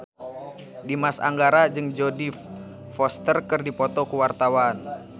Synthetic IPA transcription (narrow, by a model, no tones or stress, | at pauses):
dimasa̰ŋɡaɾad͡ʒɨŋd͡ʒɔdif | fɔst̪ərkɨrdipɔt̪ɔkuwart̪awan